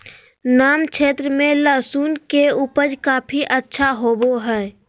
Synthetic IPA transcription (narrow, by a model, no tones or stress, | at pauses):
naːmt͡ʃʰeːt̪ɾəmẽləsuːnkeupəd͡ʒkaːpʰiʔətːʃʰaɦoboɦə